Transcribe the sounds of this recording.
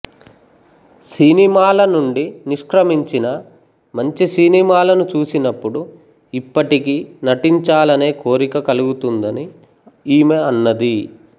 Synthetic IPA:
sinimaːlɐnuɳɖiniʂkɾɐmiɲt͡ʃinɐ | mɐɲt͡ʃisinimaːlɐnut͡ʃuːsinɐpːuɽu | ipːɐʈikinɐʈiɲt͡ʃaːlɐne̞ːko̞ːɾikɐkɐluɡut̪und̪ɐni | iːmeɐnːɐd̪i

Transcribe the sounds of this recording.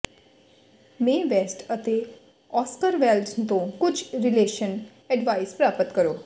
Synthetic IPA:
mẽʋesʈət̪e | ɔskəɾʋɛlɖsnt̪õkʊd͡ʒɾɪleːʃən | ɛɖʋaːɪspɾaːpət̪kəɾoː

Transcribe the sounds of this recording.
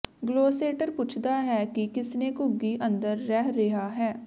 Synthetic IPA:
ɡloːseːʈəɾpʊt͡ʃʰd̪aːɦɛːkikɪsneːkʊɡːiʔə̃nd̪əɾːɛːɦɾeɦaːɦɛː

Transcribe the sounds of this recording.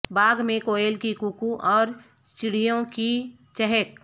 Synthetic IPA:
baːɡmẽkoːelkikukuʔɔːɾ | t͡ʃɪɽijõki | t͡ʃɛɦɛk

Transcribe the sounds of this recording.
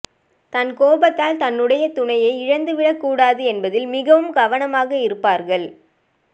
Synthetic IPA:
t̪ɐnkoːbɐt̪ːaːlt̪ɐnːɯɽɐjɐt̪ʊɳɐjɐɪɪɻɐnd̪ɯʋɪɽɐkːuːɽaːðɯɛnbɐðɪlmɪɣɐʋɯmɡɐʋɐnɐmaːɣɐɪɾɯpːaːɾɣɐɭ

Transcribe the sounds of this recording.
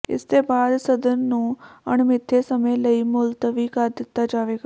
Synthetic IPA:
ɪ̰st̪ebaːd̪sɐd̪ənnũːɐɽ̃mɪt̪ʰːesɐmeləimʊlt̪əʋikaːt̪d̪ɪt̪ːad͡ʒaːʋeɡaː

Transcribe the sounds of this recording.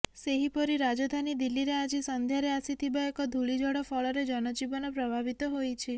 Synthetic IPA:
seɦipɔɾiɾad͡ʒod̪ʱanid̪ilːiɾead͡ʒisənd̪ʱjaɾeasit̪ʰibaekɔd̪ʱuɭid͡ʒʱɔɽɔfɔɭɔɾed͡ʒɔnɔd͡ʒibɔnopɾəbʱabit̪oɦojt͡ʃʰe

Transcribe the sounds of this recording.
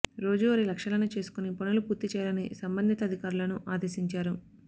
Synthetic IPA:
ɾo̞ːd͡ʒuɐɾilɐkʂɐlɐnut͡ʃe̞ːsu̥kunipɐnulupuːɾt̪it͡ʃɛːjalɐnisɐmbɐnd̪ʱit̪ɐd̪ʱikaːɾulɐnuʔaːd̪eːsiɲt͡ʃaːɾu

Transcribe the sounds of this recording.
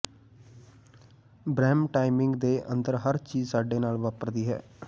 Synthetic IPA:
bɾɛːmʈaːimɪŋɡd̪eːʔə̰nd̪əɾɦəɾt͡ʃiːzsaːɖeːnaːlʋaːpəɾd̪iːɦɛ̰ː

